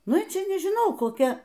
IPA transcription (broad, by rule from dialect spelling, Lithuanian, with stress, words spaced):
ˈnʊ ˈt͡ʃʲɪ nʲɪʒʲɪˈnɐʊ koːˈkʲɛ